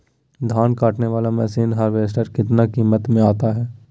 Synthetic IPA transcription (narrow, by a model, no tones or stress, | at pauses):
d̪ʱaːnkaːʈneʋaːlamɛːsiːnɦaːɾʋeːs̬ʈəɾkɪt̪nakiːmət̪mẽaːt̪aɦɛː